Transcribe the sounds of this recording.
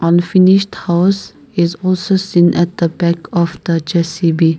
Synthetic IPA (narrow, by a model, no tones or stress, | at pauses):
ʔə̃nfɪnɪʃthaʊs | ɪzɔlsosĩnʔɛt̚d̪̥əbɛkʰɔfd̪̥əd͡ʒɛsibi